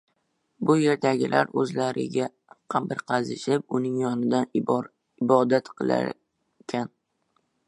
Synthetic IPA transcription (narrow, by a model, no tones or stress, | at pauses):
bʊje̞ɾd̪aɡʲɪlʔa̰ɾɵzlaɾɪ̰ɡʲa | qʰɑmpɪɾqʰɑzɪʃɪp̚ʊnɪŋjɒnɪd̪an | ɪbɒd̪at̪qʰɨlˠa̰ɾ | kʲʰan